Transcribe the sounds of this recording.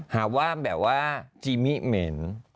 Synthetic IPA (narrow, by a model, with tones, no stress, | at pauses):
haː˨˩˦k̚waː˥˩bɛː˨˩p̚waː˥˩t͡ɕiː˧mi˦˥me˦n